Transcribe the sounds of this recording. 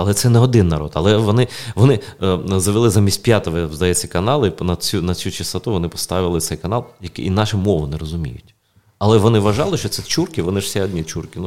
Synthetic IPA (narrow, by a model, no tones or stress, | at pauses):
ɐlˠɛt̪sɛnɛɔd̪ɪnːɐɾɔ̰d̪ɐlˠɛʋɔnɪʋɔnɪzɐʋɪlˠɪzamʲisʲt̚ʲpʲjat̪ɔʋɔzd̪ɐjɛt͡sʲːɐkɐnɑlˠɪnɐt͡sʲunɐt͡sʲut͡ʃist̪ɐt̪uʋɔnɪpɔ̥st̪ɑʋɪlˠɪt̪sɛjkɐnɑlˠjɐkɪinɑʃɪmɔʋʊnɛɾɔzʊmʲḭjʊ̰tʲ | ɐlˠɛʋɔnɪʋɐʒɑlˠɪʃt͡ʃɔt̪sɛt͡ʃurkʲɪʋɔnɪʒ̥sʲɛɔdʲnʲitt͡ʃurkʲɪnu